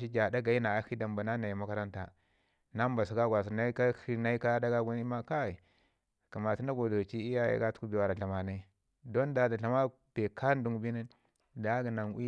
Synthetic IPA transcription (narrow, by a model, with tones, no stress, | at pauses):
ʃi˦d͡ʒa˨da˦ɡa˨i˦na˨a˦xi˦da˨mba˨na˦na˨ji˨ma˦ka˦ɾa˦nta̰˨ | na˦m˦ba˨s̬u˨ɡa˦ɡʷa˨s̬i˨na˦i˦ka˦xi˦na˦i˦ka˦da˦ɡa˦ɡu˦ni˦ma˦ka˦i˨ | ka˨ma˨ti˦na˦ɡo˨do˨t͡ʃi˦i˦ja˦ja̰˨˦ɡa˦tu̥˦u˦bi˨wa˨ɾa˨ɬa˨ma˨na˦i˦ | do˦nda˨da˨ɬa˨ma˦ | be˨ka˦n˦du˨ŋ˨bi˦ni˦n | da˨˦ɡi˨na˨nwi˦